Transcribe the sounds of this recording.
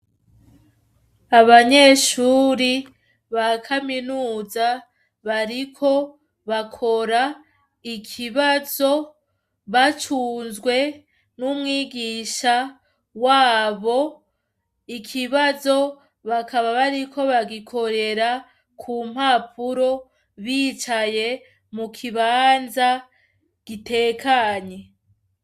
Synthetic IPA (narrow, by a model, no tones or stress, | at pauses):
aβaɲe̞ʃuːɾi | βakʰaminuːza | βaɾikʰo̞ | βakʰo̞ɾa | ikʰiβazo̞ | βat͡ʃuːnzɡwe̞ | numŋiːɡiːʃa | waːβo̞ | ikʰiβazo̞ | βakaβaβaɾikʰo̞βaɡikʰo̞ɾe̞ɾa | kʰum̥hapʰuɾo̞ | βiːt͡ʃaje̞ | mukʰiβaːnza | ɡ̥ite̞ːkʰaɲe̞